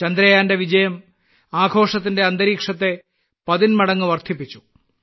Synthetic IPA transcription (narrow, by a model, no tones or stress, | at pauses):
t͡ɕɐnd̪ɾɐjaːnde̞ʋid͡ʑɐjɐm | aːɡʱo̞ːʂɐt̪ːinde̞ɐnd̪ɐɾiːkʂɐt̪ːe̞ | pɐðinmɐɽɐŋːɨʋɐrt̪ʰip̬ːit͡ɕːu̥